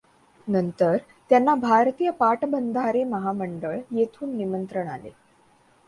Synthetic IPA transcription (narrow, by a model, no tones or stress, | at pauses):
nənt̪əɾ | t̪janːabʱaɾt̪iːjəpaʈbənd̪ʱaɾeməɦaməɳɖəɭjet̪ʰuːnːimənt̪ɾəɳalḛ